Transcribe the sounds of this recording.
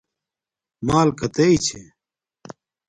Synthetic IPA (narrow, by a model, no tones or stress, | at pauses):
maːlkɐt̪ɐit͡ɕʰe